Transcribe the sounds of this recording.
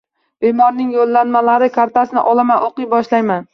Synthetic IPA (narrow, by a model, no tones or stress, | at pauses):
b̥emɒɾnɪŋjolˠːanmalaɾɪkʰaɾt̪ʰasɪnɪ̰ʔɒlˠamanʔoqɨjbɒʃlajman